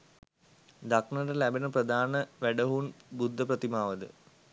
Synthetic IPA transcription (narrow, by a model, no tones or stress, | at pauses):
d̪akɳɐɖɐlæbɐnɐprɐd̪ʱaːnɐʋeɖɐɦuːnbud̪ʱːɐprɐt̪imaːʋɐd̪ɨ̰